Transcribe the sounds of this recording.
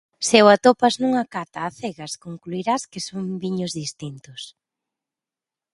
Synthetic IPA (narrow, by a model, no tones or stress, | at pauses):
sewat̪opɐznuŋakat̪aːθeɣaskoŋkluiɾaskɪsombiɲʊzðist̪int̪ʊs